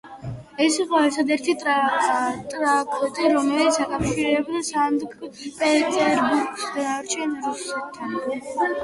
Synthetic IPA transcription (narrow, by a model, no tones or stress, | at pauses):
ɛsiqʼɔɛɾt̪ʰad̪ɛɾt̪ʰit̪ʼ | t̪ʼɾakʰɔt̪ʼiɾɔmɛlit̪sʰakʼafʃiɾɛbd̪asand̪ɡpʼɛt̪ʼɛɾbuɾɡsd̪aaɾt͡ʃʰɛnɾusɛt̪ʰːan